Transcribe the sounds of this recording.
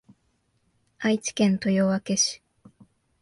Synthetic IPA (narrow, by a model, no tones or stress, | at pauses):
ait͡ɕi̥kẽ̞nt̪o̞joβake̞ɕi̥